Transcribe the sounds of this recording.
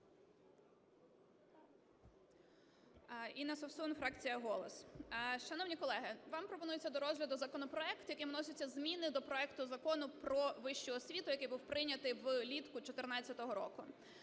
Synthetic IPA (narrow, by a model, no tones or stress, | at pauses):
inɐsɔwsunfɾɑkt͡sʲijɐɦɔlˠɔsʃɐnɔwnʲikɔlˠɛɦɪʋɑmpɾɔpɔnujet͡sʲːɐd̪ɔɾɔzʲɦlʲɐd̪ʊzɐkɔnɔpɾɔɛkt̪jɐkɪjʋnɔsʲɪt͡sʲːɐzmʲinɪd̪ɔpɾɔɛkt̪ʊzɐkɔnʊpɾɔʋɪʃt͡ʃʊɔsʲʋʲit̪ʊjɐkɪjbuwpɾɪnʲɐt̪ɪjwlʲit̪kʊt͡ʃɔt̪ernɑt͡sʲːɐt̪ɔɦɔɾɔ̰kʊ